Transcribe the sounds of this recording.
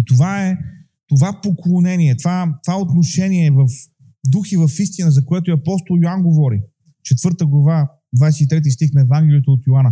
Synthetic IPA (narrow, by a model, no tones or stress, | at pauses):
it̪ovaɛ | t̪ovapoklˠonɛniɛt̪vat̪ovaɛot̪noʃɛniɛvɐf | d̪uxivɐfist̪inəzɐkoɛt̪oʊiɐpɔst̪olˠjoanɡovɔɾḭ | t͡ʃɛt̪vɤɾt̪əɡlˠɐva | d̪vajsiit̪ɾɛt̪̬ist̪ixnɐɛvaŋɡ̟ʲlɛlijət̪əot̪joanə